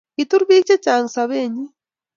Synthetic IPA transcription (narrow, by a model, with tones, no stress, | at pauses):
kitu˦ɾβi˦t͡ʃe˦t͡ʃa˨ŋ˨saβeɲi˦